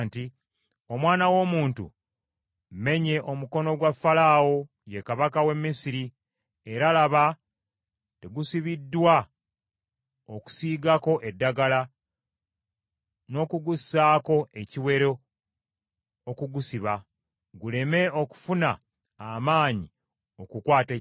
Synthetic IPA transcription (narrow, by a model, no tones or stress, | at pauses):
nti | o̞mwaːnawo̞muːntṵ | me̞ɲe̞ʔo̞muko̞no̞ɡwafːalaːwo̞ | jekaβakawe̞mːisiɾi | e̞ɾalaβa | te̞ɡusiβidːwa | oku̥siːɡako̞ʔe̞dːaɡala | no̞ːkuɡusaːko̞e̞ciwe̞ɾo | kuɡusiβa | ɡule̞me̞o̞ku̥funa | amaːɲi | o̞kukwaːte